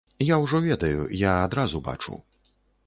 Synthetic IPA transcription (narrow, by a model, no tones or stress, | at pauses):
jawʐɔvʲɛd̪ɐjṵjaad̪ɾazuba̰t͡ʂṵ